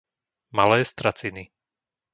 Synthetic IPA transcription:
malɛːst̪ɾat͡sini

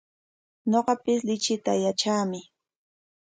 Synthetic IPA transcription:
ɲoɢɑpɪslɪt͡ʃɪt̪ajat͡ʃaːmɪ

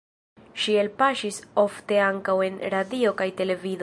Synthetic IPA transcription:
ʃie̞lpaʃiso̞fte̞aŋkawe̞nɾadio̞kajte̞le̞vid

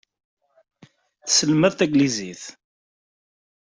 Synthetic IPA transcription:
θsəlmæðt̪æɡliziθ

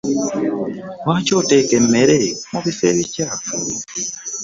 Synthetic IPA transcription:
wacotekem̩meɾemuβiseβica

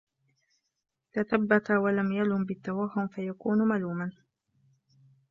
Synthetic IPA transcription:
t̪aθabːat̪awalamjalʊmbɪt̪ːawaɦːʊmfajakuːnmaluːman

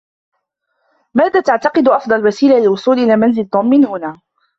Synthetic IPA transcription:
maːðaːt̪aʕt̪ɑqɨd̪ʔɑfd̪ˤɑlwasiːlalɪlwʊsˤuːlʔɪlaːmanzɪlt̪ˤːʊmːɪnhʊnaː

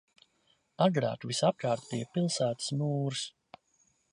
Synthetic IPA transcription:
aɡɾa̰ːt̪visap̚kaːɾt̪piːjpilˠsæːt̪smuːɾs

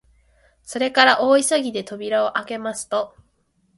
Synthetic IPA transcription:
so̞ɾe̞kaɾaʔo̞ːisaɡʲid̪e̞t̪o̞bʲiɾaoʔake̞masɨ̥t̪o̞

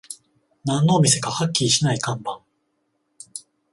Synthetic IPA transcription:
nãnːo̞ːmʲise̞kahakʲːiiɕinaikãmbãŋ

